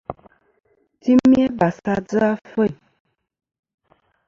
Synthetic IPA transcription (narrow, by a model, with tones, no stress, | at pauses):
ti˦mjɛ˦ba˨sa˦d͡zə˦a˦fə˦˨j